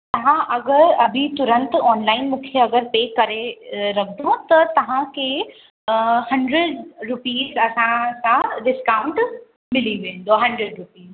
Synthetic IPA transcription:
t̪ɐʋãʔɐɡəɾɐbʱit̪ʊɾə̃nt̪ɔːnlaːɪnmũːkʰeɐɡəɾpeːkɐɾeɾɐkʰd̪ot̪ɐt̪ɐʋ̤ãkʰe | hɐ̃ɳɖɾeɖɾʊpiːzɐsãsãɖɪskaːwʊ̃ɳʈ | mɪliʋẽːnd̪oɦɐ̃ɳɖɾeɖɾʊpiːz

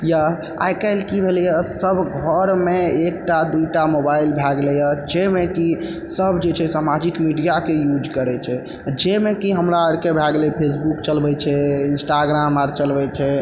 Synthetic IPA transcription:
ja | a̰jkajlkibʱelɛjasəbʱɡʱɔɾmeek̚ʈad̪uiʈamobailbʱaɡlɛjad͡ʒemeki | səbʱd͡ʒet͡ʃʰɛsamad͡ʒikmiɖijakejud͡ʒkəɾɛt͡ʃʰɛ | d͡ʒemekiɦəmɾaəɾkebʱaɡlɛpʰesbukt͡ʃəlbɛt͡ʃʰɛinsʈaɡɾamaɾt͡ʃəlbɛt͡ʃʰɛ

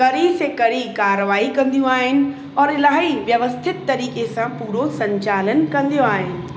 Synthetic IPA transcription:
kɐɾisekɐɽ̤ikaːɾəʋaːikɐ̃nd̪ijũaːɦɪnɪ̆ | ɔːɾɪlaːɦiʋjɐʋəst̪ʰɪt̪ːɐɾiːkesãpuːɾosɐ̃ɲt͡ɕaːlənkɐ̃nd̪ijoaːɦɪnɪ̆

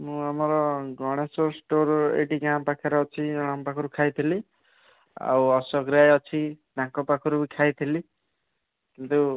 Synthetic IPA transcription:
muameɾʌɡʱʌɽ̃esosʈoɾḛʈiɡampakʰeɾʌːt͡sʰiɽ̃ampakʰuɾukʰajt̪ʰeli | a̰ʌsʌɡɾiajʌt͡sʰidãŋkɔpakʰuɾubikʰajt̪ʰeli | kint̪u

